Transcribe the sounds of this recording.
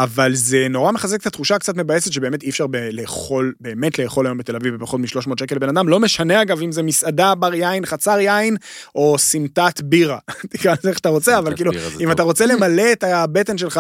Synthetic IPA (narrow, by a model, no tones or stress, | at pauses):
avalze̞noʁame̞χazeket̪at̪χuʃakt͡sat̬me̞bajesetʃebe̞ːmetiːfʃaʁbeleχo̞lbe̞ːme̞tle̞ːχo̞lajo̞mbete̞lavivpaχo̞t̪miʃlo̞ʃmo̞ːt̪ʃekelebe̞nad̪amlo̞meʃaneaɡavimzemisadabaʁjainχat͡saʁjainʔo̞simtat̪biʁatikʁanzeχʃḁt̪aʁo̞t͡seavalkiːluimat̪aʁo̞t͡sele̞male̞ːt̪abete̞nʃelχa